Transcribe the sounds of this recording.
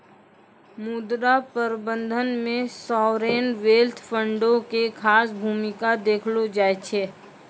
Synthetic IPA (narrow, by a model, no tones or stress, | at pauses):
mud̪ɾapəɾbə̃nd̪ʱənmẽsɔːɾeːnʋeːlt̪ʰpʰə̃ɳɖõkekʰaːsbʱuːmɪkad̪eːkʰlod͡ʒaːet͡ʃʰeː